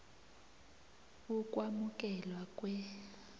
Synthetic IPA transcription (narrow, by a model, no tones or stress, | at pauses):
ukʼwamukʼɛlwakʼwɛ